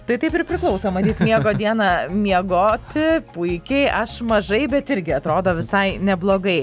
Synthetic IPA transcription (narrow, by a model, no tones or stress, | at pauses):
t̪ɐɪt̪ɐɪpɪɾpʲɾʲɪklˠɐʊsoːmɐd̪ʲiːt̪mʲiɛɡoːd̪ʲiɛnɐmʲiɛɡoːt̪ʲɪpʊɪkʲɛʔɐʃmɐʒɐɪbʲɛt̪ɪɾʲɡʲɪɐt̪ɾoːd̪oːʋʲɪsɐɪnʲɛblˠoːɡɐɪ